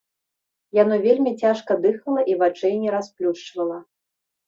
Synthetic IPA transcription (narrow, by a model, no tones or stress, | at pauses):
janɔvʲelʲmʲit͡sʲaʂkɐd̪ɨxɐlˠɐʔivat͡ʂɛjnʲɛɾasplʲuʂt͡ʂvɐlˠɐ